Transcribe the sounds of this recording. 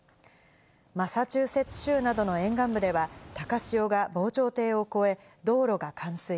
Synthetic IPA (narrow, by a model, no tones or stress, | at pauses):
masat͡ɕɨːse̞t͡sɨ̥ɕɨːnad̪o̞no̞ẽ̞ŋɡãmbɯ̟d̪e̞βat̪akaɕio̞ɡabo̞ːt͡ɕo̞ːt̪e̞ːo̞ko̞e̞ | d̪o̞ːɾo̞ɡakʰãɰ̃sɨi